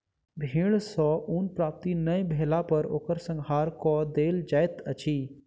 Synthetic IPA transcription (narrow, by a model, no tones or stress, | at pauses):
bʱiːɽ̃sɔːʔuːnpɾaːp̚t̪inəj̃bʱeːlapəɾo̰ːkəɾsə̃ŋɡɦaːɾkɔd̪eːld͡ʒaːjt̪ət͡ʃʰiː